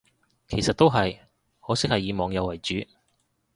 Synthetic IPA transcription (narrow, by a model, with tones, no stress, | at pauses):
kʰe˨˩jsɐ˨t̪̚ːo˥wɦɐ˨j | hɔː˨˥sɪ˥k̚hɐ˨jːiː˨˧mɔː˨˥ŋjɐ˨˧wɐ˨˩jt͡ʃyː˨˥